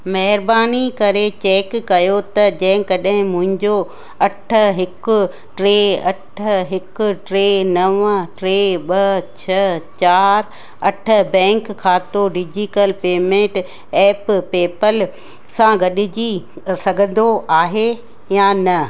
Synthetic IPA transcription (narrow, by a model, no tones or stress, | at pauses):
mɐɦɪɾbaːnikɐɾet͡ɕeːkːɐjot̪ɐd͡ʑɐ̃ɦɪ̃kɐɗɦɪ̃mʊ̃ɦɪ̃ɲd͡ʑo | ɐʈ̆ʰɦɪkʊ̆ | ʈɾeːɐ̰ʈ̆ʰɦɪkʊ̆ʈɾeːnɐʋʈɾeːɓɐt͡ɕʰɐt͡ɕaːɾ | ɐʈʰə̆bɛ̃ːŋkʰːaːt̪oɖid͡ʑiʈəlpeːmẽːʈ | ɛːppeːpəl | sãɡɐɗɪd͡ʑi | sɐɡʱə̃n̆d̪oʔaːɦe | jaːnɐ